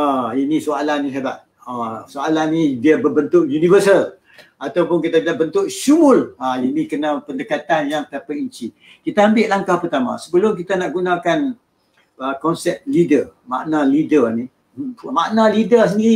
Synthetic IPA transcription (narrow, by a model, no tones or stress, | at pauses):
ainisoalanisabaʔ̚ | asoalanːĩdiabəbənt̪ʊʔjunĩvəsəl | at̪awpʊnk̬it̪abilaʔbənt̪ʊʔʃumʊlainĩkənãpəndəkat̪anjaŋt̪apaiɲt͡ʃi | kit̪aambɪʔlaŋkahpərt̪amã̰səbəlʊmk̬it̪anaʔɡunãkan | əkɔnsɛp̚lidəma̰ʔnãlidərni | ma̰ʔnãlidəs̬əndii